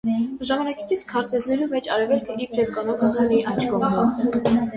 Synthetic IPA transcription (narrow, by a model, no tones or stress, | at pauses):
ʒɑmɑnɑki̥kit͡sʰkʰɑɾt̪ɛznɛɾumɛt͡ʃɑɾɛvɛlkʰəipʰɾɛvkɑnɔkʰɑk̪əmiʔɑjt͡ʃʰkʰɔvɑ